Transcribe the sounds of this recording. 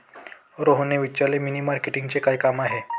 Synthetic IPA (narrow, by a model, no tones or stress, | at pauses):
ɾoɦneʋit͡ɕaleminimaɾkeʈĩŋɡt͡sekajkamaɦe